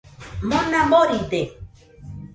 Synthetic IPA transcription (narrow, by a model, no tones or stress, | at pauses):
mõnãmboɾit̪e